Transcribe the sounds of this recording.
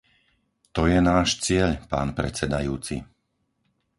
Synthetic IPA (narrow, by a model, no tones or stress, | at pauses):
t̪ɔjɛnaːʃt͡sɪɛʎpa̰ːnpɾɛ̰t͡sɛd̪ajuːt͡sḭ